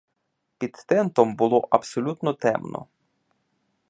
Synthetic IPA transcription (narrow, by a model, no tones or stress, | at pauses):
pʲid̪t̪ɛnt̪ɔmbʊlˠɔʔɐbsɔlʲut̪nɔt̪ɛ̰mnɔ̰